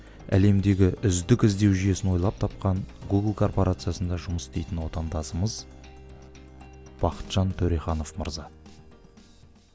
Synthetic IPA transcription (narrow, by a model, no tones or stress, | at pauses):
æ̰le̞md̪e̞ɡʲɪʔʏzd̪ɪkʲɪzd̪e̞wʒije̞sɪnwo̞jlˠɑp̚t̪ʰɑp̚qɑɴɡuɡəlˠkʰo̞rpo̞ɾʔat̪sɨjasənd̪ɑʒʊməsst̪e̞jt̪ɪnwo̞t̪ɑnd̪ɑsəməz | b̥ɑqə̥t̪ʒ̥ɑnt̪ʰɵɾejχɑno̞fmə̰ɾzɑ